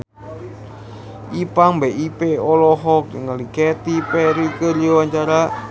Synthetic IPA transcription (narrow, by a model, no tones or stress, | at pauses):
ʔipaŋbɛʔipeolɔɦɔk̚dəŋalikɛt̪ipɛɾikərd͡ʒowaɲt͡ʃaɾa